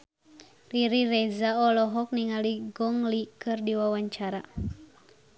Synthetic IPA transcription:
riɾirɛzaɔlɔɦɔk̚niŋaliɡɔŋlikɨrdiwawaɲt͡ʃaɾa

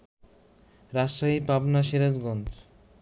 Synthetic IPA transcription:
ɾaʃaɦipabnaʃeɾad͡ʑɡɔnt͡s

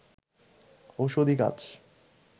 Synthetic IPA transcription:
oʃod̪ika̰t͡ɕʰ

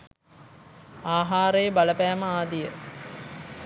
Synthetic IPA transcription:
aːɦaːɾəjəbaləpæːməaːd̪ijə

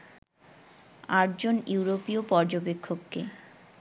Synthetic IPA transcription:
aʈd͡ʑonuwɾopiopɔɾd͡ʑobekʰːokːe

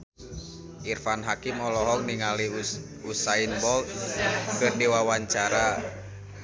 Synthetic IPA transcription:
ʔirfanɦakimɔlɔɦɔŋniŋali | usainbɔlt̪̚kərdiwawaɲt͡ʃaɾa

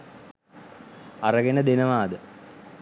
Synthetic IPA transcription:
ɐrɐɡenɐd̪enɐʋaːd̪ɨ

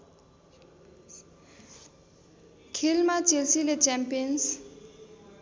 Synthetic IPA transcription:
kʰilmat͡ʃilsilet͡ʃɛmpiɔns

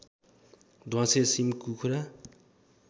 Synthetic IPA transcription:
d̪ʱwãsesimkukʰuɾa

